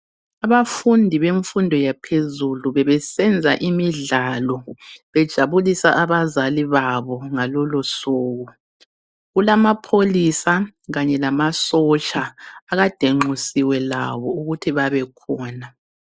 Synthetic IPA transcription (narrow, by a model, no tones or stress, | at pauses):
aβafundʱiβeɱfundʱɔjapʰezuluβɛβɛsɛnd͡zʱaʔimiɮalɔβɛd̥ʒ̥ʱaβulisaʔaβazaliβaβɔŋalɔlɔsuːɣɔ | ɣulamapʰolisaɣaɲɛlamasɔt͡ʃʼaːɣad̥ʱeŋ͡ǃusiwɛlaβɔuɣutʰiβaβɛkʰɔːna